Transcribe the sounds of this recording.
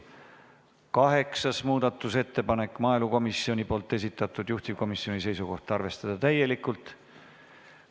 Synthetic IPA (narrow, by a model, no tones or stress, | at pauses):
kɑɦe̞ksɑsmuːd̪̥ɑt̪ˑːuse̞t̪ːe̞pɑne̞kːˑmɑːeluko̞misːio̞nʲipo̞ːlt̪ˑːe̞s̬it̪ːˑɑt̪ːud̪̥juht̪iko̞misːio̞nʲise̞jsuko̞ht̪ɑrve̞st̪ɑd̪̥ɑt̪æje̞likːˑult̪ˑ